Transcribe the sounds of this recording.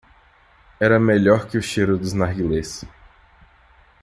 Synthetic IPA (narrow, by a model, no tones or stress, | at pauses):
ɛɾɐmeʎɔɾkɪʊʃeɾʊd̪ʊznaɾɡiles